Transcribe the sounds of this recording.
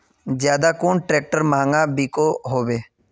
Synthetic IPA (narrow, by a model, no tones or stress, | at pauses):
d͡ʒjaːd̪aːkʊːɳʈɾɛːk̚ʈəɾmãːŋɡãːbiːkoːɦoːʋeː